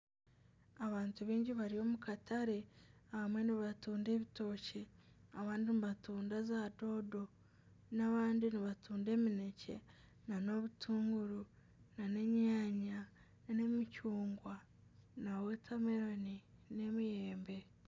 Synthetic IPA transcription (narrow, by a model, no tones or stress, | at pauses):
aβaːntuβiːɲɟiβaɾijo̞ːmukataɾe̞ahamwe̞niβatuːnde̞ːβito̞ːce | aβaːndiniβatuːndazado̞ːdo̞ | naβaːndiniβatʰuːnde̞ːmine̞ce̞̰ | nano̞βutʰuːŋɡuɾu | nane̞ɲaːɲa | ne̞micuːŋɡwa | nawe̞tʰameɾonine̞mijeːmbe̞